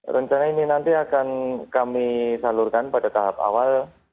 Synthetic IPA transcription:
rʔəɲt͡ʃanaininant̪iakankamisalurkanpadat̪aɦapa̰wal

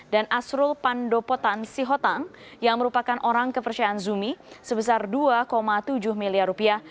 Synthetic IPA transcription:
danʔasɾʊlpandopot̪ansiɦɔt̪aŋ | jaŋməɾupakanʔoɾaŋkəpərt͡ʃiaːnzumisəbəs̬arduakomat̪ud͡ʒʊhmiliarːupiah

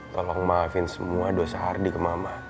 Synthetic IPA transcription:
t̪ɔlɔŋmafɪnsəmuadosaɦardikəmama

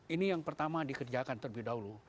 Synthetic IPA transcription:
inijaŋpərt̪amadikərd͡ʒakant̪ərbidaɦulu

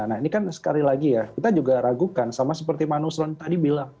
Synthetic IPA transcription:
nainikansə̥kalilaɡijakit̪ad͡ʒuɡaɾaɡukansamasəpərt̪imanusɾɔnt̪adibilaŋ

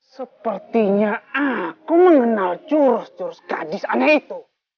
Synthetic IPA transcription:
səpərt̪iɲaakuməŋənalt͡ʃuɾʊst͡ʃuɾʊsɡadɪsanakit̪u

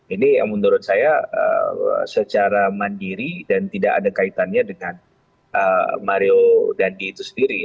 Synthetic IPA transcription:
inija̰ŋmənuɾʊt̪̚sajaə̰sət͡ʃaɾamandiɾidant̪idaka̰dakait̪anɲadəŋan | ʔəmaɾiodandiːt̪usəndiɾi

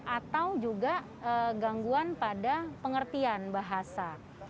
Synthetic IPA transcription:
ʔat̪awd͡ʒuɡa | əɡaŋɡuanpadapəŋərt̪ianbaɦasa

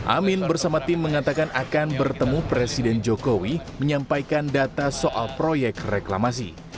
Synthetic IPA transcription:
ʔa̰mɪnbərsamat̪ɪmːəŋat̪akanakanbərt̪əmupɾesidɛnd͡ʒokowiməɲampajkandat̪asoʔa̰lpɾojɛk̚rekla̰mas̬ḭ

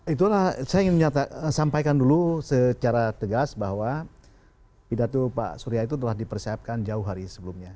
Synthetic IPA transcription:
it̪ulahsajaiŋɪnməɲat̪asampajkandulusət͡ʃaɾat̪əɡasbahwa | pidat̪upa̰suɾiait̪̬ut̪əlahdipərsiap̚kand͡ʒaʊɦaɾisəbəlumɲa

